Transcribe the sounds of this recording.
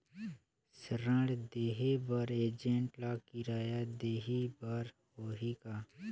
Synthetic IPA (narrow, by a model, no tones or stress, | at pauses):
səɾə̃ɽd̪eːɦebəɾeːd͡ʒẽɳʈlakiɾaːjad̪eːɦibəɾ | hoːɦika